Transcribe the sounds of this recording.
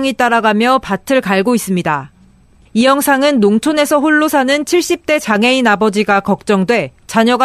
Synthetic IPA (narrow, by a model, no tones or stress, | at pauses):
ŋit͈aɾaɡamjʌpatʰɯɭkaɭɡois͈ɯmɲida | ijʌŋsʰaŋɯnːoŋt͡ɕʰone̞sʰʌɸuɭːosʰanɯnt͡ɕʰiɭɕ͈ip̚t͈e̞t͡ɕaŋe̞inabʌd͡ʑiɡakʌk̚t͡ɕ͈ʌŋdwe̞t͡ɕaɲʌɡa